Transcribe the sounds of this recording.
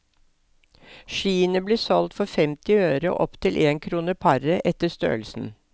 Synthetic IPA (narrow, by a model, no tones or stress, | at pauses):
ʃiːənəbleːsɔlt̪fɔɾfɛmt̪ɪøːɾə̰ʔɔ̰pt̪ʰɪlʔeːŋkʰɾuːnəpʰɑɾəʔɛt̪əst̪ø̰ːlsn̩